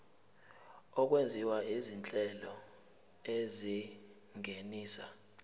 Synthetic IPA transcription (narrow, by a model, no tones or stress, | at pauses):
ɔk̬wend͡zʱiwaizint͡ɬʼɛlɔ | ezi | ŋeniːsa